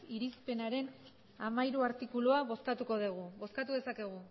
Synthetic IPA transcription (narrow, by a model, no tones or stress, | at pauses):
iɾispe̞naɾe̞n | amaiɾuaɾt̪ikuluaβo̞skat̪uko̞ð̞eɣ̞uβo̞skat̪uðe̞sake̞ɣ̞u